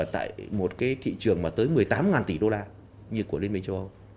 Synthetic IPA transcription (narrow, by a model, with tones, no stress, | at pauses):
t̪a̰ː˧˨jmo˨˩t̚kaː˨˦jt̪ʰḭ˧˨t͡ɕɨ˨˩əŋmaː˨˩t̪əː˨˦jmɨ˨˩əjt̪aː˨˦mŋaː˨˩nt̪i˧˩ɗo˧laː˧ | ɲɨ˧ku˧˩əli˧nmï˧ŋt͡ɕə˧wʔə˧w